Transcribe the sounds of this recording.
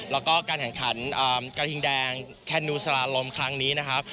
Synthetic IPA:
lɛː˦˥wkɔː˥˩kaː˧nkʰɛ˨˩ŋkʰa˩˦˥nʔɤː˨˩mka˧t̪ʰi˧ŋdɛː˧ŋ | kʰɛ˦˧˩nːuː˧sa˧laː˧lo˧mkʰɾa˦˥ŋniː˦˥na˦˥kʰa˦˥p̚

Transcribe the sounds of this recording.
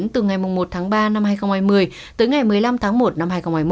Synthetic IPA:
nt̪ɨ˨˩ŋa˨˩jmʊ˨˩ŋ͡mmo˨˩t̚t̪ʰaː˨˦ŋɓaː˧na˧mhaː˧jxə˧wŋ͡mhaː˧˩jmɨ˨˩əj | t̪əː˨˦jŋa˨˩jmɨ˨˩əjla˧mt̪ʰaː˨˦ŋmo˨˩t̚na˧mhaː˧jxə˧wŋ͡mhaː˧˩jm˧

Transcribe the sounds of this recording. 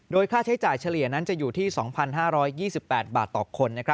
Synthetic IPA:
doː˧jkʰaː˥˩t͡ɕʰa˦˥jt͡ɕaː˨˩jt͡ɕʰa˧li˨˩əna˦˥nt͡ɕa˨˩juː˨˩t̪ʰiː˥˩sɔː˩˦ŋpʰa˧nɦaː˥˩ɾɔː˦˥jːiː˥˩si˨˩pːɛː˨˩t̪̚baː˨˩t̪ːɔ̰ː˨˩kʰo˧nːa˦˥kʰɾa˦˥

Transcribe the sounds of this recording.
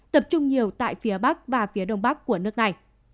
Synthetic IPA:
t̪ə˨˩p̚t͡ɕʊ˧ŋ͡mɲi˨˩əwt̪a̰ː˧˨jfi˨˦əɓa˦˥k̚vaː˨˩fi˨˦əɗə˧wŋ͡mɓa˦˥kːu˧˩ənɨ˦˥ək̚na˨˩j

